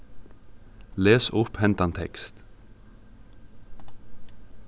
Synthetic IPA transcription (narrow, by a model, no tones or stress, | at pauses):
leːsʊphɛnt̪ɑnt̪ʰɛ̰kst̪